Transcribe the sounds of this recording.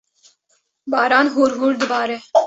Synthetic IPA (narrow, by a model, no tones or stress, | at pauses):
baːɾaːnɦuːɾɦuːɾd̪əbaːɾeː